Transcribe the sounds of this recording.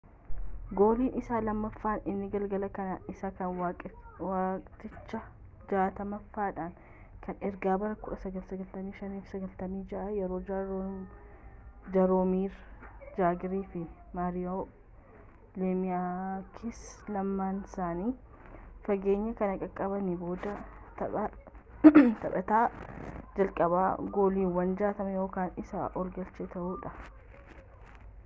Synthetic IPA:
ɡoːliːnɪsaːlɐmːɐfːaːnɪnːɪɡɐlɡɐlɐkɐnɐɪsakɐnwawaːkʼt̪ːɪt͡ʃːɐ | d͡ʒaːt̪ɐmɐfːaːᶑaːn | kʰɐnɛɾɡaːbɐrɐkʊᶑɐsɐɡɐlsɐɡɐlt̪ɐmiːʃɐniːfsɐɡɐlt̪ɐmiːd͡ʒɐʔɐjɛɾo̞ː | d͡ʒɐɾoːmiːɾd͡ʒaːɡɪɾiːfɪ | maːɾɪjo | leːmɪjakʰɪslɐmːaːnsaːniː | fɐɡe̞ːɲːɐkɐnɐkʼɐkʼːɐbɐnɪbo̞ːd̪ɐ | t̪ɐbɐ | t̪ɐbɐt̪aːd͡ʒɐlkʼɐβaːɡo̞ːliːwɐnd͡ʒaːt̪ɐmɛjo̞ːkaːnɪsɐʔɔlɡɐlt͡ʃɛt̪ɐʔuːᶑɐ

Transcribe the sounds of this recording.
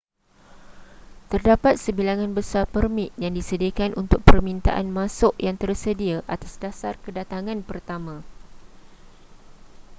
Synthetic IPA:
t̪ərdapat̪̚səbilaŋãnbəsarpərmĩt̪̚jaŋdisədiakanʔunt̪ʊk̚pərmĩnt̪a̰ʔanmãsʊʔjaŋt̪ərsədiaʔat̪asdasarkədat̪aŋãnpərt̪amã

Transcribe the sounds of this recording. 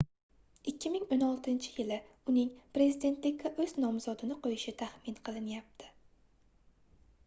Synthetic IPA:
ɪkʲʰːɪmɪŋonɒlˠt̪ʰɪnt͡ʃʰɪ̥jɪlɪ | ʊnɪŋpɾe̞zid̪e̞nt̪lɪkʲʰːaʔɵz̥nɒmz̥ɒd̪ɪnɪqʰojɪʃɪt̪ʰaχmɪnqʰɨlˠɪnjap̚t̪ʰɪ̥

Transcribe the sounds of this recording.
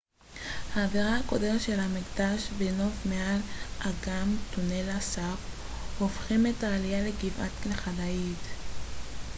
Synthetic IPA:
haːviʁahako̞demetʃe̞lhamiɡd̪aʃbeno̞vmealʔaɡamtunelasap | hofχime̞taːlijaleɡivatklχadait

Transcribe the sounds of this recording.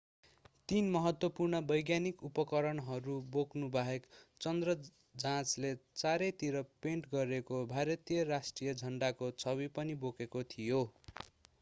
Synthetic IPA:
t̪inmʌɦʌt̪wʌpurnʌbʌjɡjanikupʌkʌɾʌnɦʌɾuboknubʱaɦekt͡sʌnd̪rʌ | d͡zãt͡slet͡saɾʌjt̪iɾʌpeɳʈɡʌɾekobʱaɾʌt̪ijʌɾasʈrijʌd͡zʱʌɳɖakot͡sʰʌβipʌnibokekot̪ʰijo

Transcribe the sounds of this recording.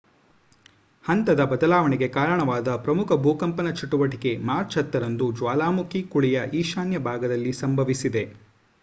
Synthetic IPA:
hɐnt̪ɐd̪ɐbɐd̪ɐlaːʋɐɳɛɡe̞kaːɾɐɳɐʋaːd̪ɐpɾɐmukʰɐbʱuːkɐmpɐnɐt͡ʃiʈuʋɐʈike̞maːɾt͡ʃɐt̪ːɐɾɐnd̪ud͡ʒʋaːlaːmukʰikuɭijɐʔiːʃaːnjɐbʱaːɡɐd̪ɐlːisɐmbʱɐʋisid̪e̞

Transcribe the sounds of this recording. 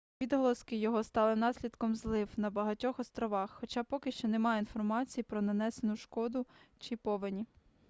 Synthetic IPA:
ʋʲid̪ɦɔlˠɔskɪjɔɦɔst̪ɑlˠɪnɑsʲlʲid̪kɔmzlˠɪwnɐbɐɦɐtʲɔxɔst̪ɾɔʋɑxːɔt͡ʃɑpɔkɪʃt͡ʃɔnemɑjeinfɔrmɑt͡sʲijipɾɔnɐnɛsenʊʃkɔd̪ʊt͡ʃɪpɔʋenʲi

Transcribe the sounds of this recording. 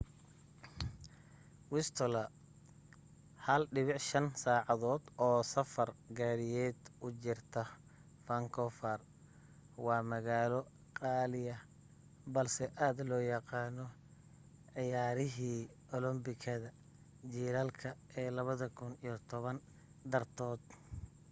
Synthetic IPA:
wɪst̪ʰɔlɐ | hɐlɖɪβɪʕʃɐnsaːʕɑðɔːd̪ɔːsɐfɐrɡaːɾɪjɛːd̪ʊt͡ʃɪrt̪ʰɐ | fɐŋkʰɔfɐr | wɑːmɐɣaːlɔ | qɑːlɪjɐ | bɐlsɛʔaːd̪lɔːjɑqɑːnɔ | ʕɪjaːɾɪɦiː | ɔlɔmbɪkʰɐðɐ | d͡ʒiːɾɐlkʰɐɛːlɐβɐðɐkʰʊnijɔt̪ʰɔβɐn | d̪ɐrt̪ʰɔːd̪

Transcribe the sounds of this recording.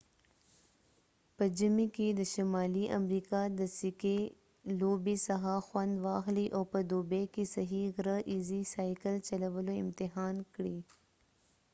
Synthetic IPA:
pəd͡ʒəmikid̪əʃɐmaːliʔɐ̰mɾiːkad̪əsɪke | loːbisɐɦaxwɐnd̪ʋaːxliʔoːpəd̪oːbekisɐɦiɣɾəʔiːzisaːikəlt͡ʃɐlɐʋəloɪmt̪ɪɦaːnkɽi

